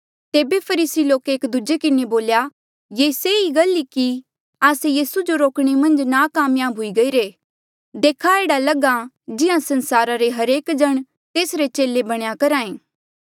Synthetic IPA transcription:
t̪eːbepʰɐɾiːsiloːkeːkd̪ud͡ʒekɪneboːlja | jeːseiɡɐliki | aːsejiːsud͡ʒoɾoːkɽ̃emɐ̃nd͡ʒnakaːmjaːbʱɦʊiɡɐiːɾeː | d̪eːkʰaeːɽalɐɡa | d͡ʒɪãsɐ̃nsaːɾaɾeɦɐɾeːkd͡ʒɐɽ̃ | t̪eːsɾet͡ʃeːlebɐɽ̃jakɐɾaːẽː

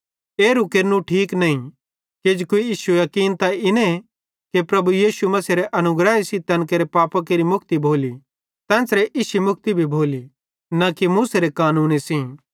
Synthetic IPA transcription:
eːɾukeːɾnũʈʰiːknɐĩ | keːd͡ʒkoijiːʃujɐkiːnt̪aɪnẽ | kepɾɐbujiːʃumɐsiɾeʔɐnʊɡɾaːesit̪ɐ̃nkeːɾepaːpak̬eːɾimʊkʰt̪ibʱoːli | t̪ɛ̃ːsɾeʔɪsimʊk̚ʰt̪ibʱibʱoːli | nakimuːseɾekaːnuːnisĩ

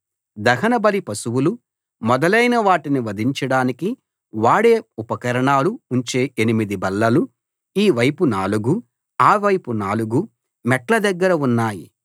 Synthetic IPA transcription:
d̪ɐɦɐnɐbɐlipɐsuwulu | mɔd̪ɐlɐjnɐʋaːʈiniʋɐd̪ʱiɲt͡ʃɐɽaːniki | ʋaːɽe̞ːupɐkɐɾɐɳaːluuɲt͡ʃe̞ːenimid̪ibɐlːɐlu | iːʋɐjpunaːluɡu | aːʋɐjpunaːluɡu | mɛklɐd̪ɐɡːɐɾɐunːaːjḭ

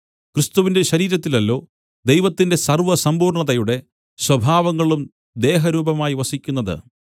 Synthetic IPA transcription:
kɾɨst̪uʋinde̞ɕɐɾiːɾɐt̪ːilɐlːo̞ː | d̪ejʋɐt̪ːinde̞sɐrʋɐsɐmbuːrɳɐðɐjuɽe̞ | swɐbʱaːʋɐŋːɐɭum | d̪e̞ːɦɐɾuːbɐmaːjiʋɐsikʲːun̪ːɐðɨ̰

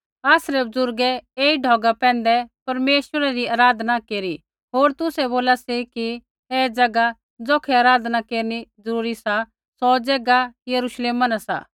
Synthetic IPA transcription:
aːsɾɛbʊzʊɾɡɛeːiɖʱɔːɡapɛ̃ːnd̪ɛpɐɾmeːʃwəɾaɾiaːɾaːd̪ʱnakeːɾi | ɦoːɾt̪ʊsɛboːlasiki | ɛːd͡zɐɡa | d͡zoːkʰɛaːɾaːd̪nakeːɾnid͡zɐɾuːɾisa | sɔd͡zɛɡajɐɾuːʃleːmanasa̰ː

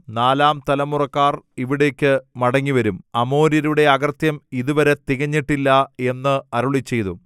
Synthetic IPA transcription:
naːlaːmt̪ɐlɐmːurɐkːaːriʋiɽe̞ːkʲːɨmɐɽɐŋːiʋɐɾumɐmo̞ːɾjɐɾuɽe̞ɐɣɐrt̪jɐmiðuʋɐɾet̪iɣɐɲːiʈːilːɐe̞nːɨɐɾuɭit͡ɕːe̞jt̪u

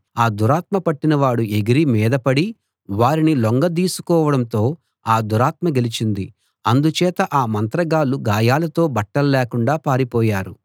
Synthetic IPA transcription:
aːd̪uɾaːt̪̚mɐpɐʈːinɐʋaːɽuʔeɡiɾimɛːd̪ɐpɐɽi | ʋaːɾiniloŋɡɐd̪iːsu̥kɔːʋɐɽɐmt̪o̞ː | aːd̪uɾaːt̪mɐɡelit͡ʃind̪i | ɐnd̪ut͡ʃɛːt̪ɐʔaːmɐnt̪ɾɐɡaːluɡaːjaːlɐt̪o̞ːbɐʈːɐllɛːkuɳɖaːpaːɾipɔːjaːɾu

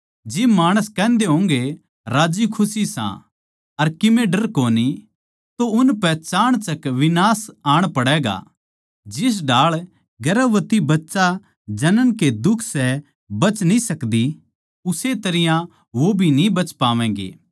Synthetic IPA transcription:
d͡ʒɪbmaːɽ̃əskɛ̃ːnd̪eɦõːŋɡe | ɾaːd͡ʒikʰʊsisã̰ | ɐɾkɪmeːɖəɾkoːni | t̪oʊnpɛt͡ʃaːɽ̃t͡ʃɐkʋɪnaːsaːɽ̃pɐɽɛːɡa̰ | d͡ʒɪs̬ɖaːɭ | ɡɐɾəʋət̪ibɐtːʃa | d͡ʒɐnənked̪ʊkʰsɛ | bɐt͡ʃnĩsɐkd̪i | ʊset̪ɐɾɪjã | ʋobʱinĩbɐt͡ʃpaːʋɛ̃ːŋɡḛː

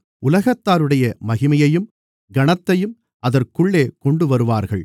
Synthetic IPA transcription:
ʔʊlɐɣɐt̪ːaːɾɯɽɐjɐmɐɣɪmɐjɐjɯm | ɡɐɳɐt̪ːɐjɯm | ɐðɐrkɯɭːeːkɔɳɖɯʋɐɾɯʋaːɾɣɐɭ

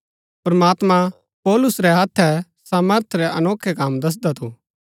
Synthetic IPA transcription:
pɾɐmaːt̪mã | pɔːlʊsɾɛɦɐt̪ʰːɛsaːməɾt̪ʰɾɛʔɐnoːkʰːɛkaːmd̪ɐs̬d̪at̪ʰoː

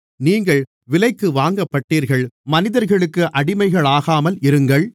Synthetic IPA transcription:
niːŋɡɐɭ | ʋɪlɐɪkːɯʋaːŋɡɐpːɐʈːiːɾɣɐɭmɐnɪðɐɾɣɐɭɯkːɯʔɐɽɪmɐɪɣɐɭaːɣaːmɐlɪɾɯŋɡɐɭ

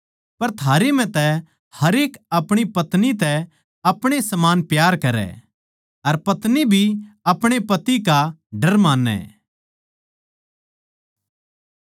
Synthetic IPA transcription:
pɐɾt̪ʰaːɾem̤ɛ̃t̪ɛ | hɐɾeːkɐpɽ̃ipɐt̪nit̪ɛ | ɐpɽ̃esɐmaːnpjaːɾkɐɾɛ̰ | ɐɾpɐt̪nibʱiɐpɽ̃epɐt̪ikaɖɐɾmãːnːɛ̰

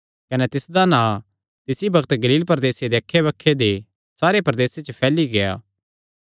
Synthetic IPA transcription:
kɐnɛt̪ɪsd̪anãː | t̪ɪsibɐkt̪ɡɐliːlpɐɾd̪eːsed̪eɐkʰːeβɐkʰːed̪e | saːɾepɐɾd̪eːset͡ʃəpʰɛːliɡɐja̰ː

